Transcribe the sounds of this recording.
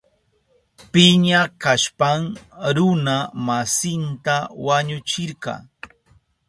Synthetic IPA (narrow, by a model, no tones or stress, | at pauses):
pɪɲakaʃpamɾʊnamasɪnt̪awaɲʊt͡ʃɪɾkɑ̰ː